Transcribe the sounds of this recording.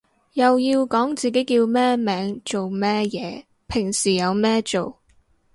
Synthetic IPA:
jɐ˨wjiː˧wkɔː˨˥ŋt͡siː˨˩ke˨˥jkiː˧wmɛː˥mɛː˨˥ŋt͡so˨wmɛː˥jɛː˨˧ | pʰɪ˨˩ŋsiː˨˩jɐ˨˧wmɛː˥t͡so˨w

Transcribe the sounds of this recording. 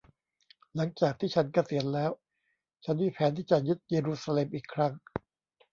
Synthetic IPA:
la˩˦ŋt͡ɕaː˨˩k̚t̪ʰiː˥˩t͡ɕʰa˦˥nka˧si˨˩˦ənlɛː˦˥w | t͡ɕʰa˦˥nmiː˧˥˩pʰɛː˩˦nt̪ʰiː˥˩t͡ɕa˨ju˦˥t̪̚jeː˧ɾuː˧˥saː˧leː˧mʔiː˨˩kʰːɾa˦˥ŋ

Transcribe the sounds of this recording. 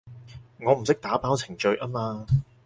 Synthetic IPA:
ŋɔː˨˧m̩˨˩sɪ˥k̚t̪aː˨˥paː˥wt͡sʰɪ˨˩ŋt͡ʃɵ˧ɥʔaː˥maː˧

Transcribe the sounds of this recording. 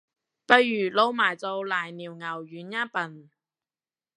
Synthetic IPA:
pɐ˧jːyː˨˩lo˧wmaː˨˩jt͡so˧wlaː˨˩jniː˨˩wŋɐ˨˩wjyː˨˥njaː˥pɐ˨n

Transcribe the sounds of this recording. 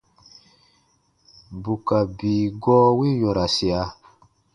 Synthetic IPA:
bu˨ka˨biː˨ɡɔː˦wi˦jɔ˨ɾa˨si˨a˨

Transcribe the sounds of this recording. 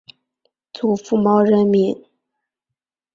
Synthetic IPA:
t͡su˨˩fu˥˩mɑ˥ʊɻə˧˥nmi˧˥ŋ

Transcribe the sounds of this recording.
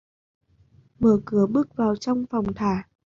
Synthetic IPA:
məː˧˩kɨ˨˩əɓɨ˦˥ək̚vaː˨˩wt͡ɕɔ˧wŋ͡mfɔ˨˩wŋ͡mt̪ʰaː˧˩

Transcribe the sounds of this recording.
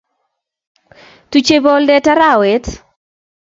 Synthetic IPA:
tu˨t͡ʃe˦bɔ˦ldɛ˦ta˦ɾa˨we˨˦t

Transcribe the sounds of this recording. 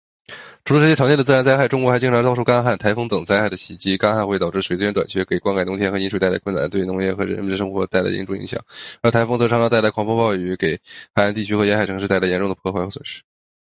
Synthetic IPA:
ʈ͡ʂʰu˥lə˧ʂɻ̩˧˥t͡ɕjɛ˥˩ʈ͡ʂʰŋjɛ˥˩d̪ə˩t͡s̩ɹ̩˥ɻa˧˥nt͡sa˥˧xa˥˩ɪʈ͡ʂʊ˥ŋkwɔ˧˥xt͡ɕi˥ŋʈ͡ʂʰɑ˧˥t̪ʊʂʰu˥˩kɑ˥ŋa˥xa˥˩nt̪ʰa˧˥ɪfɤ˥ŋt̪ɤ˨˩ŋt͡sa˥ɪxa˥˩ɪd̪ə˦ɕi˨˩t͡ɕi˥kɑ˥xnxwt̪ɑ˨˩ʊʈ͡ʂɻ̩˥˩wɪt͡sɹ̩˥ɥɛ˧˥nt̪wa̰˨˩nt͡ɕʰɥɛ˧˥ke˨˩ɪkwa˥ŋkɪʊ˧˥t̪ʰjɛ˥xɤ˧˥i˧˥ʂʰu˨˩t̪la˧˥kʰwə˥˩na̰˨˩nt̪we˥˩ɪnʊ˧˥ŋjɛ˥˩xɤ˧˥ɻə˧˥mə˧˩nd̪əʂɤ˥ŋxwɔ˧˥t̪a˥˩ɪla̰˥ɪḭ˧˥nʈ͡ʂʊ˥˩ŋḭ˧˥ŋɕjɑ̰˨˩˦ŋə˞˧˥t̪ʰa˧˥ɪfŋɤ˧˥˧ʂɑ˧˥t̪a˥˩la˧˥ɪkʰwɑ˨˥ŋfɑ˥pɑ˥˧ʊy˧˥ke˨˩ɪxa˧˩ɪa˧˥nt̪i˥˩t͡ɕʰy˥xɤ˧˥jɛ˧˥xa˨˩ɪɤ˧˥ŋʂɻ̩˥˧t̪ɪla˧˥jɛ˧˥nʈ͡ʂʊ˥˩ŋd̪əpʰxwa˥xɤ˧˥swə̰˨˩nʂɻ̩̥˥

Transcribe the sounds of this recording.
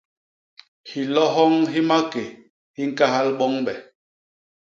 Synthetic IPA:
hi˨lɔ˦ɦɔ˦ŋɦi˦ma˦ke˨ | hi˦ŋ˦ka˦ɦa˦lɓɔ˦ŋɓɛ˨

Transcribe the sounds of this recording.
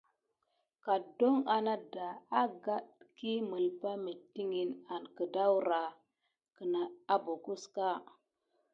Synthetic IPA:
ka˨do˦ŋa˨na˦da˨a˦ɡa˦ɗki˦mə˨lpa˦mi˨tːi˦ŋi˨na˨nkə˨da˦wɾa˨ | kə˨na˨a˦bo˨ku˦ska˦

